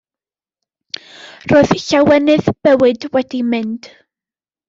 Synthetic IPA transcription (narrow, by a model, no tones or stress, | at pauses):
roːðɬawɛnɨðb̥ɛwɨdwɛdimɨnd̥